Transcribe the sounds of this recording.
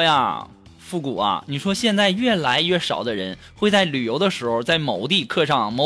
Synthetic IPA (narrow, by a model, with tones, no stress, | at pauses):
a̰˧˩ | fu˥˩kṵ˨˩ɐ̰˧˩ni˨˩ʂwɔ˥ɕjɛ˥˧nt͡sa˥˧ɪɥɛ˥˩la˧˥ɪɥɛ˥˩ʂɑ̰˨˩ʊd̪ə˦ɻə̰˧˥n | xwe˥˧ɪt͡sa˥˩ɪly˨˩jo˧˥ʊd̪ə˧ʂɻ̩˧˥xo˧t͡sa˥˩ɪmo˨˩ʊt̪i˥˧kʰɤ˥˧ʂɑ˥˩ŋmo˧˥